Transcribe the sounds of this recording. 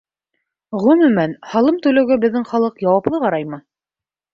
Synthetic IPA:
ʁɵ̆mɵ̆mænhɑlˠɤmt̪ʉlæwɡæbɘ̆ðːɘŋχɑlˠɤqjɑwɑplˠɤʁɑɾɑjmɤ

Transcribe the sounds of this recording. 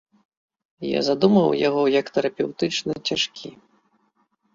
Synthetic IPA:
ja̰zad̪umɐwjaɣɔjɐkt̪ɐɾapʲɛwt̪ɨt͡ʂnɨt͡sʲaʂkʲi

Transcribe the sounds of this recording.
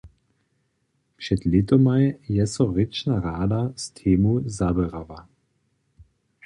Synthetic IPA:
pʃɛt̪let̪ɔmajjɛsɔʁɪt͡ʃnaʁaːd̪ast̪ʰeːmuzabɛʁava

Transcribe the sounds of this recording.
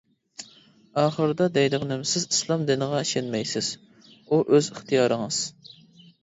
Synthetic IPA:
ɑːχəɾɨd̪ɑd̪ɛjd̪ɨʁnɪmsɪzi̥slˠɑmd̪ɨnəʁɑiʃɛnmɛjsɪz̥ | uʔøzəχt̪ʰijɑːɾəŋɨz̥

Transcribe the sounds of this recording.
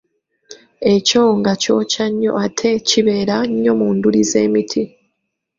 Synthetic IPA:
e̞co̞ŋɡaco̞ːcaɲːo̞̰atʰe̞ciβe̞ːɾaɲːo̞muːndulize̞ːmitʰi

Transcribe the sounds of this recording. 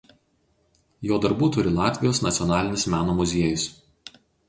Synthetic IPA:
joːd̪ɐɾbuːt̪ʊɾʲɪlˠɑːt̪ʲʋʲɪjoːsnɐt̪sʲɔnɑːlʲɪnʲɪsmʲæːnoːmʊzʲiɛjʊs

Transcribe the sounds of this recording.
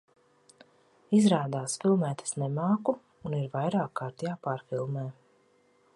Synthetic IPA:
izɾaːd̪aːsfilˠmɛːt̪ɛ̥snɛmaːku | uniɾvajɾaːkʰːaːɾt̪jaːpaːɾfilˠmɛː

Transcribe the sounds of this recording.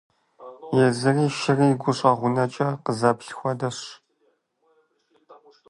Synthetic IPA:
jɛzɨriːʃɪriːɡʷʊɕʼɐʁʷʊnɐt͡ʃʼɐqəzɐpɬxʷɔdɐɕ

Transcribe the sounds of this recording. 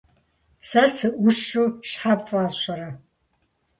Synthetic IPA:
sɐsɨʔʊʂuʃħapfʼaːzɕʷɐɾɐ

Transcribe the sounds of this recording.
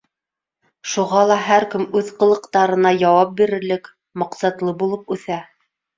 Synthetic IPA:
ʃuʁɑlˠɑɦæɾkɘmʉðqɤ̆lˠɤ̆qt̪ɑɾɤ̆nɑjɑwɑp̚biɾɘ̆ɾlɘk | mɑqsɑt̪lˠɤbulˠɤp̚ʉθæ

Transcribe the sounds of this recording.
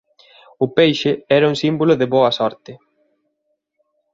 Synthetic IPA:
ʊpejʃɪɛɾɐuŋsimbolʊðɪβoɐsɔɾt̪ɪ

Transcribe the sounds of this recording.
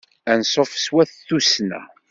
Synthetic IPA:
ænsˤəfə̥swæθθusnæ̰

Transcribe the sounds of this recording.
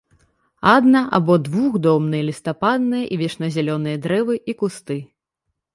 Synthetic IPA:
ad̪nɐʔa̰bɔd̪vuɣd̪ɔmnɨjɐlʲist̪apad̪nɨjɐʔivʲɛʂnɐzʲɛlʲɔnɨjɐd̪ɾɛvɨʔikust̪ɨ

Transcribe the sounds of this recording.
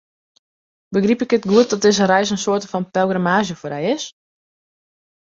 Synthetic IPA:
bəɡripɪkətɡuət̚dɔt̚dɪzəɾɛjsənsoːtəfɔnpɛlˠɡramaːzjəfoːrɛjɪs

